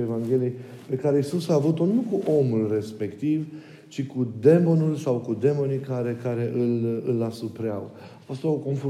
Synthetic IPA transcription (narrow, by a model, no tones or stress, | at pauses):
evaŋɡʲe̞liej | pe̞kaɾe̞isusaːvut̪o̞nukuʔo̞mulre̞spe̞kt̪iv | t͡ʃikud̪e̞mo̞nulsawkud̪e̞mo̞nikaɾe̞kaɾe̞ʔɨlɨlasupɾea̰w | ast̪aoko̞nf